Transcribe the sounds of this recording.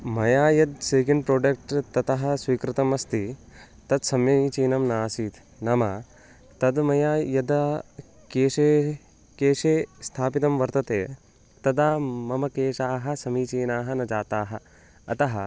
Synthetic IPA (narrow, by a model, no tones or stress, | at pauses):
mɐjaːjɐd̪seːkeɳɖpɾoːɖɐk̚ʈt̪ɐt̪ɐɦɐ̆sʋiːkɾɪt̪ɐmɐst̪i | t̪ɐd̪sɐmjɐiːt͡ʃiːnɐmnaːsiːt̪ | nɐmɐ | t̪ɐd̪mɐjaːjɐd̪ɐ | keːʂeː | keːʃeːst̪ʰaːpit̪ɐmʋɐɾt̪ɐt̪eː | t̪ɐd̪aːmɐmɐkeːʃaːɦɐ̆sɐmiːt͡ʃiːnaːɦɐnɐd͡ʒaːt̪aːɦɐ̆ | ɐt̪ɐɦɐ